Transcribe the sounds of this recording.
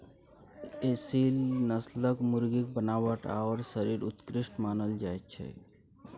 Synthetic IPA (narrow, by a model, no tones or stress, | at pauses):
esilnəsləkmʊɾɡik̚bənaːʋəʈa̰ɔɾsəɾiɾʊt̪kɾɪʃʈmaːnəld͡ʒaːet̚t͡ʃʰɛ̰